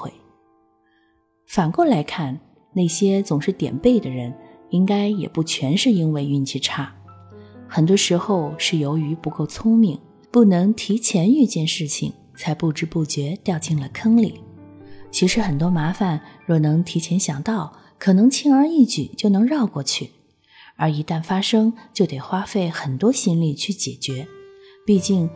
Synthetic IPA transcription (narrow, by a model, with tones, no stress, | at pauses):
xwe˥˩ɪ | fa˨˩nko˥˩la˧˥ɪkʰa˥˩n | ne˥˩ɪɕjɛ˥t͡sʊ˨˩ŋʂɻ̩˥˩t̪jɛ̰˨˩npe˥˩ɪd̪ə˩ɻə˧˥n | i˥ŋka˥ɪjɛ̰˨˩pu˥˩t͡ɕʰɥɛ˧˥nʂɻ̩˥˩i˥nwe˥˧ɪy˥˩˧nt͡ɕʰi˥˩ʈ͡ʂʰa˥˩ | xə˨˩nt̪wɔ˥ʂɻ̩˧˥xo˥˧ʊʂɻ̩˥˩jo˧˥ʊy˧˥pu˧˥ko˥˩ʊt͡sʰʊ˥ŋmi˥˩ŋ | pu˥˩nɤ˧˥ŋt̪ʰi˧˥t͡ɕʰjɛ˧˥ny˥˧t͡ɕjɛ˥˧nʂɻ̩˥˩t͡ɕʰḭ˨˩ŋ | t͡sʰa˧˥ɪpu˥˩ʈ͡ʂɻ̩˥pu˥˩t͡ɕɥɛ˧˥t̪jɑ˥˧ʊt͡ɕi˥˩ŋlə˨˩kʰɤ˥ŋlḭ˨˩˦t͡ɕʰi˧˥ʂɻ̩˧˥xə˨˩nt̪̬wɔ˥ma˧˥fa˨˩˦nɻɔ˥˩nɤ˧˥ŋt̪ʰi˧˥t͡ɕʰjɛ˧˥nɕjɑ˨˩ŋt̪ɑ˥˩ʊ | kʰɤ˨˩nɤ˧˥ŋt͡ɕʰi˥ŋə˞˧i˥˩t͡ɕy̰˨˩t͡ɕjo˥˩ʊnɤ˧˥ŋɻɑ˥˧ʊkwɔ˥˧t͡ɕʰy˥˩ | ə˞˧˥i˧˥t̪a˥˩nfa˥ʂɤ˥ŋt͡ɕjo˥˩ʊt̪e˨˩ɪxwa˥fe˥˩ɪxə˨˩nt̪wɔ˥ɕi˥nli˥˧t͡ɕʰy˥˩t͡ɕjɛ̰˨˩t͡ɕɥɛ˧˥ | pi˥˧t͡ɕi˥˩ŋ